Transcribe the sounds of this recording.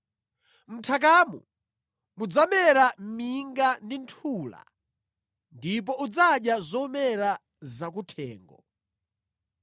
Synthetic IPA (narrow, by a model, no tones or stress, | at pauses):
m̩tʰak̬aːmṵ | mud͡zamɛɾamiŋɡandintʰuːla̰ | ndip̬ɔud͡zaɗjazɔmɛɾa | zak̬utʰɛ̰ːŋɡɔ